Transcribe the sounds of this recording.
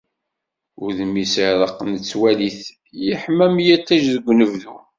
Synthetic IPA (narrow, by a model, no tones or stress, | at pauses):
ʊɾðəmisəhɾəqːnət͡sːwæliθ | jəħmæmjæt̪ːæʒðəɡʷːnəvðu